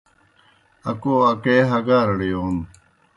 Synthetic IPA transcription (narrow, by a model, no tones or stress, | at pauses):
ɐkoɐkeːɦɐɡaːɾɐɽijoːn